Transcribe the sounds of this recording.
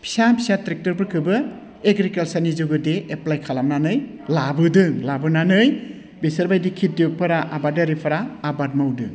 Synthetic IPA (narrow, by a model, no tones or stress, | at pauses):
pʰi̥sapʰisatɾek̚tɔɾbɯɾkʰɯbɯ | eɡɾikalsanid͡ʒuɡɯdeeplajkʰalamnanɯj | labɯdɯŋlabɯnanɯj | besaɾbajdikʰit̚dik̚pʰaɾaʔabadaɾipʰaɾaːbad̚mawdɯŋ